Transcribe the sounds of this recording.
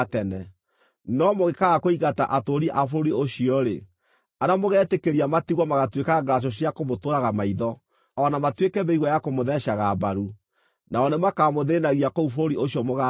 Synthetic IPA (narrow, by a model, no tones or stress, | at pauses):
tɛnɛ | nɔmoɣekaɣakoiɣata̰ʔatoɾiʔafoɾoɾioɕiɔɾe | aɾamoɣɛːtekeɾiamatiɣwɔmaɣatwekaɡlaʃ̬ɔɕ̬iakomotoɾaɣamaiðɔ | aɔnamatwekɛβeiɣwɔjakomoðɛʃaɣabaɾu | naɔnemakamoðenaɣiakoufoɾoɾioɕjɔmoɣa